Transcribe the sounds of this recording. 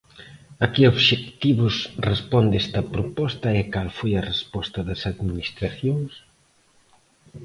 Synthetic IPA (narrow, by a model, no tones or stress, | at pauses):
ɐkioβʃekt̪iβʊsrespɔnd̪ɛst̪ɐpɾopɔst̪ɐɛkalfojɐrespɔst̪ɐðɐsaðminist̪ɾɐθjoŋs